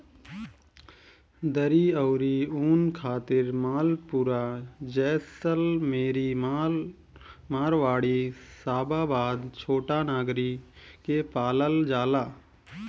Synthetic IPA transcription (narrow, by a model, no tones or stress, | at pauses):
d̪əɾiəːɾiuːnkʰaːt̪ɪɾmaːlpʊɾad͡ʒɛːsəlmeːɾim | maːɾʋaːɽisaːbabaːd̪t͡ʃʰoːʈanaːɡɾikepaːləld͡ʒaːlaː